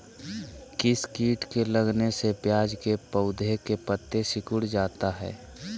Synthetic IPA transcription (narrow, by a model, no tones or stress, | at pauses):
kɪskiːʈkeləɡnesepjaːd͡ʒkepəʊd̪ʱekepət̪ːesɪkʊɽd͡ʒaːt̪aɦɛ̰ː